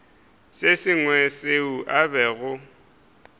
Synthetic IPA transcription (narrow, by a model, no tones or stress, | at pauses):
sesɪŋwɛseuʔabɛɣʊ